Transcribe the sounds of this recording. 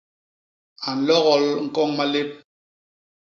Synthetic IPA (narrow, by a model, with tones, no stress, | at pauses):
a˨n̩˨lɔ˦ɣɔ˨lŋ̩˦˨kɔ˦ŋma˦le˦p̚